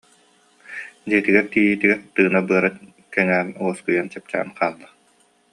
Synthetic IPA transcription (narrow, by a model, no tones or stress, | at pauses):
d͡ʑiɛt̪iɡɛɾt̪iːjit̪iɡɛɾt̪ɯːnabɯɐɾa | kɛŋæːnuɔskujant͡ɕɛp̚t͡ɕa̰ːnqaːlˠːa